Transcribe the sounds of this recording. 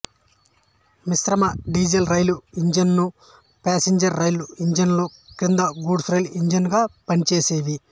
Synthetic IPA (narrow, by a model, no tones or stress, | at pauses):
misɾɐmɐɖiːd͡ʒelɾɐjluiɲd͡ʒɐnːu | paːseɲd͡ʒɐɾːɐjluiɲd͡ʒɐnloːkind̪ɐɡuːɖsɾɐjliɲd͡ʒɐnɡaːpɐnit͡ʃeːseːʋi